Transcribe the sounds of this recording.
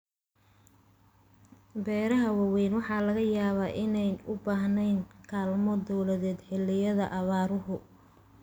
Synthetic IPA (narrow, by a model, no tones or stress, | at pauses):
bɛːɾɐɦɐwɑwɛjnwɑħɑːlɐɣɐjaːβaːʔɪnɛjnʊbaːɦnɛjnkʰaːlmɔd̪ɔwlɐðɛːd̪ħɪlːɪjɐðɐʔɐβaːɾʊɦʊ